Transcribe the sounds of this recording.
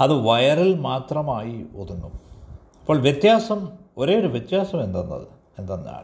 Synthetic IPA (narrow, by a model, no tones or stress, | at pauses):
ɐðɨʋɐjɐrilmaːt̪rɐmaːjioðunːu | ɐpːo̞ːɭʋjet̪jaːsɐmo̞ɾe̞ːoɾuʋjet̪jaːsɐme̞nd̪ɐnːɐ̰ðɨ̰ | e̞nd̪ɐnːa̰ːɭ